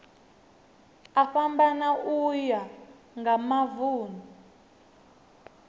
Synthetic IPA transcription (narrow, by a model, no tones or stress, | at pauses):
aɸambanaʔuja | ŋɡamavuːnu